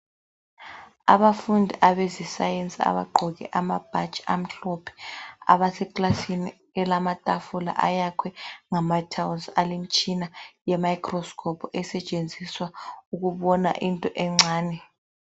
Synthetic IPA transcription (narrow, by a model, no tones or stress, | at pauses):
a̰βafundʱiʔaβezisajent͡sʼia̰βa̰ɡ͡ǃʱɔɣɛ̰ʔamab̥ʱḁt͡ʃʼam̩ɬɔpʰɛ̥a̰βasɛkʼlasini | ɛlamatʼafula̰ʔajakʰwɛŋamatʰawunsalem̩t͡ʃʼinajɛmajkʰʼrɔskʰɔpʰɔɛsɛt͡ʃʼend͡zʱiswauɣuβɔna̰ʔintʼɔʔɛŋ͡ǀaːnɛ